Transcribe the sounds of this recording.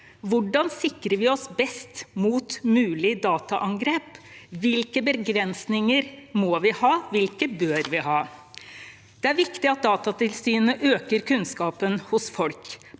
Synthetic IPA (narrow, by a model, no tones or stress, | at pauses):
ʋʊɖɑnsɪkɾəɾʋɪɔsbɛst̪muːt̪mʉːlɪd̪ɑːt̪ɑʔɑŋɡɾeːpʋɪlkəbəɡɾɛnsnɪŋəɾmɔːʋɪhɑːʋɪlkəbøːɾʋɪhɑː | d̪̥ɛæɾʋɪkt̪ɪɑt̪̚d̪ɑːt̪ɑt̪ɪlsyːnəʔøːkəɾkʉnskɑːpənhʊsfɔlk